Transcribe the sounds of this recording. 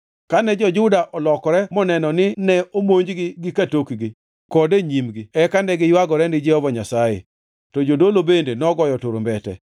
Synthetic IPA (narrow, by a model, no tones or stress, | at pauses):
kanɛd͡ʒɔd͡ʒʊdaʔɔlɔkɔɾɛmɔnɛnɔnɪnɛomoɲd͡ʒɡɪɡɪkatokɡɪ | kɔdeɲimɡɪɛkandɛɡɪjwaɡɔɾɛndɪd͡ʒɛhɔvɔɲasajḛ | tɔd͡ʒodolobendenɔɡɔjɔtʊɾombɛtɛ̰